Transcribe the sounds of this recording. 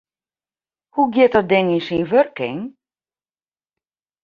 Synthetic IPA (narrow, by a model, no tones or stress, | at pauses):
huɡjɪt̚ɔt̚dɪŋinsinʋørkɪ̰ŋ